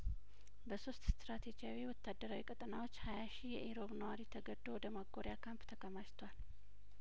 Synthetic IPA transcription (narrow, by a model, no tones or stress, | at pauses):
bəsost̪st̪ɾat̪ʰed͡ʒijawiwɔt̪ʰːad̪ːəɾawikʼət̪ʼɨnawot͡ʃːhajaʃijɛʔeɾo̞βnəwaɾit̪ʰəɡəd̪owɔd̪əmaɡːoɾjakʰampt̪ʰəkʰəmaʃt̪ʰwal